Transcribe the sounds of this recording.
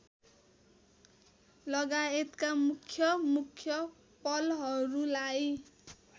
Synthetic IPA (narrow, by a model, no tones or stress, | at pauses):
lʌɡaet̪kamukʰːjʌmukʰːjʌ | pʌlɦʌɾulaj